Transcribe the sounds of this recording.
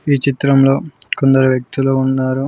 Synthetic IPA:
iːt͡ʃit̪ɾɐmlo̞ːkond̪ɐɾuʋjɐk̚t̪uluunːaːɾu

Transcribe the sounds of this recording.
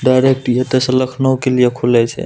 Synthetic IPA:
ɖajɾek̚ʈijet̪əsə̃ləkʰnəwkelijekʰulɛt͡ʃʰɛ̰

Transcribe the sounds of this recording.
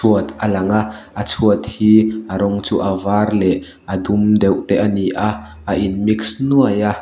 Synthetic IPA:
uət̪alɐŋaʔat͡sʰuət̪̚hiːʔaɾɔŋt͡suʔavarlɛʔ | ʔɐd̪umd̪ɛwʔt̪ɛʔɐniʔa | aʔinmiksnuəja

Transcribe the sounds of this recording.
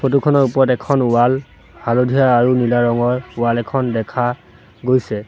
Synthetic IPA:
pʰotukʰɔnɔɹupɔɹɔtɛkʰɔnuwal | halodʱijaːɹunilaɹɔŋɔɹʊalɛkʰɔndɛkʰa | ɡojsɛ

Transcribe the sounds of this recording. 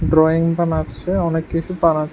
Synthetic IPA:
ɖɾɔiŋbanaeɔnekːit͡ɕʰupana

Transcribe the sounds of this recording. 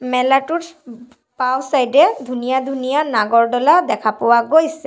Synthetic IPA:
mɛlaʈut | pawsajdɛd̪ʱunijad̪ʱunijanaɡɔɹɖɔlad̪ɛkʰapɔwaɡojsɛ

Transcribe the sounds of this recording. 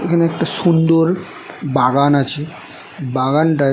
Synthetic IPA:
eknaek̚ʈasund̪oɾ | baɡanat͡ɕi | baɡanɖa

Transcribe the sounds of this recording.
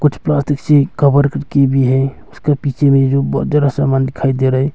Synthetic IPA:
kut͡ʃʰplast̪iksekəbəɾkəɾkebʱiɦɛ | ʊskapit͡ʃemed͡ʒobt̪̚d͡ʒəɾasamand̪ikʰajd̪eɾəɦɛ

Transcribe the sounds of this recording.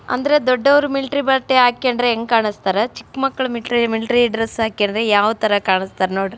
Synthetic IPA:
ɐ̰nd̪ɐɾe̞d̪ɔɖːɐʋɐɾumilʈɾibɐlʈeɦaːkiɐɳdɾeeŋɡkaːɳist̪aːɾɐt͡ʃi̥kːmɐkːɐɭɐmiʈɾimilʈɾiɖɾesaːkiɐnd̪ɾejaːʋɐt̪ɐɾɐkaːɳist̪aːɾɐnoːɽ

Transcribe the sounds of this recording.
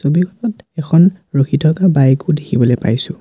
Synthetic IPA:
sobiɡʰɔtɔtɛkʰɔnɹoxʰitʰɔkabajkʊdekʰibɔlojpa̰jsʊ̃

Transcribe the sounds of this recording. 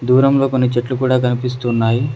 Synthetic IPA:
d̪uːɾɐmlo̞ːko̞nːit͡ʃeʈlukuːɽaːkɐnipis̬t̪uːnːaːji

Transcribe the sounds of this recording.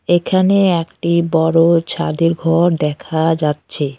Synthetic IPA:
ekʰaneɛkʈibɔɾot͡ɕʰad̪iɾɡʱɔɾd̪ɛkʰad͡ʑatːɕʰe

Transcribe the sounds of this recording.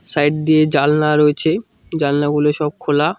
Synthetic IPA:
sajʈ̚d̪ied͡ʑalnaɾoet͡ɕʰe | d͡ʑalnaɡuloʃɔb̚kʰola

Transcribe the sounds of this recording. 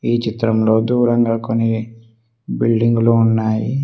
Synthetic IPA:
iːt͡ʃit̪ɾɐmlo̞ːd̪uːɾɐŋɡaːkonːi | bilɖiŋɡuluunːaːji

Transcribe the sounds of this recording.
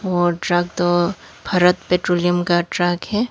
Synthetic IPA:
ɔːɾɖɾaːɡ̚t̪o | pʰɐɾət̪peːʈɾoːlijəmkaɖɾaːɡɦɛː

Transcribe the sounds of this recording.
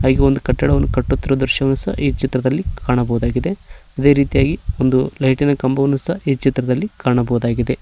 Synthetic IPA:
ɦaːɡeond̪ukɐʈːɐɽɐʋɐnːukɐʈːut̪ːiɾud̪uɾʃɐʋɐnusɐ̰iːt͡ʃit̪ɾɐd̪ɐlːikʰaːɳɐbɐɦud̪aːɡid̪eɐd̪e̞ːɾiːt̪ijaːɡio̞nd̪ulɐjʈinɐkɐmbɐʋɐnːusɐiːt͡ʃit̪ɾɐd̪ɐlːikaːɳɐbɐud̪aːɡid̪e̞

